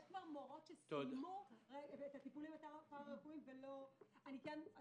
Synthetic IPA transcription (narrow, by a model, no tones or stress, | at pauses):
jeʃkvaʁmoʁo̞tʃesodmoeet̪at̪ipulimat̪apaakuimveloanit̪en